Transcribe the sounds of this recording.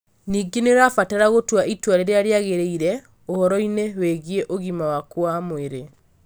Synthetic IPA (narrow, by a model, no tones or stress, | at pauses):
niːɡeneɾafataɾaɣotwaitwaɾeɾeaɾeaɣeɾeiɾɛ | ohɔɾɔineweɣieʔoɣimawakwamweɾe